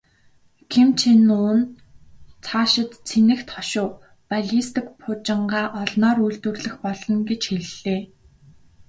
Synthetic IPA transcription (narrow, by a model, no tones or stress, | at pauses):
kʰemt͡ɕʰenʊːn | t͡sʰaːʃɪ̆t̪t͡sʰenɘ̆xt̪ʰɔʃʊː | paɮʲist̪ɘ̆kpʰʊt͡ɕɪ̆ɴɢaːʔɔɮnɔːɾujɮt̪wɘ̆rɮɘ̆xpɔɮɞ̆ŋɡet͡ɕxeɮeː